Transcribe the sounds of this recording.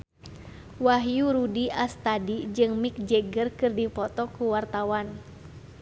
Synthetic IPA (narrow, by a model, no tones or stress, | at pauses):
waɦjuɾudiʔast̪adid͡ʒɨŋmik̚d͡ʒɛɡərkɨrdipɔt̪ɔkuwart̪awan